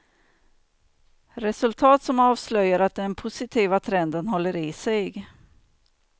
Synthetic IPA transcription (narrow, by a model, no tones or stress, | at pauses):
ɾɛsɵlt̪ʰɑːt̪sɔmɑːvslœjːaɾat̪̚d̪ɛnpʰʊsɪt̪ʰiːvat̪ʰɾɛnd̪ənɦɔlːəɾɪsɛjɡ